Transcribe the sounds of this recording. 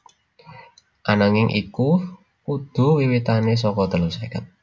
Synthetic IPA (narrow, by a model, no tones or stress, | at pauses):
ʔanaŋɪŋʔḭku | kud̪̥ṳwiwit̪anes̬ɔkɔd̪̥ə̤losekat̪̚